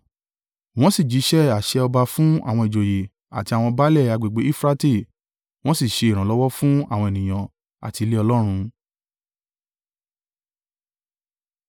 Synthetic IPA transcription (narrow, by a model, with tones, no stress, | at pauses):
w̃ɔ̃˦si˦˨d͡ʒi˨˦ʃɛ˦a˨ʃɛ˧ɔ˧ba˧fũ˦a˦˨w̃ɔ̃˧i˨d͡ʒo˨je˨ | a̰˨ti˧a˨w̃ɔ̃˧ba˦lɛ˦˨a˨˧ɡ͡be˨ɡ͡be˨˦i˦˨fɾa˦te˦˨ | w̃ɔ̃˦si˦˨ʃe˧i˨ɾ̃ã˨lɔ˦wɔ˦fũ˦a˦˨w̃ɔ̃˧e˨nĩ˨j̃ã˨ | a̰˨ti˧le˦ɔ˧lɔ˦ɾ̃ũ˧